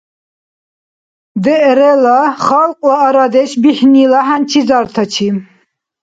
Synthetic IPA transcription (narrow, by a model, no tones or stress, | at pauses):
d̪ɛʔɾɛlaχalqʼwaːɾad̪ɛʃbiħnilaɦant͡ʃʰizaɾt̪ʰat͡ʃʰi